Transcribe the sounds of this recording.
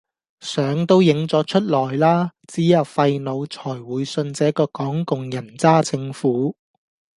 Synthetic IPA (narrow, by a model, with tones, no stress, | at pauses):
sœː˨˥ŋt̪o˥wjɪ˨˧˥ŋt͡sɔː˨˥t͡ʃʰɵ˥t̚lɔː˨˩jlaː˥t͡siː˨˥jɐ˨wfɐ˧jno˨˧wt͡sʰɔː˨˩jwuː˨˧jsɵ˧nt͡sɛː˨˥kɔː˧kɔː˨˥ŋkʊ˨ŋjɐ˨˩nt͡saː˥t͡sɪ˧ŋfuː˨˥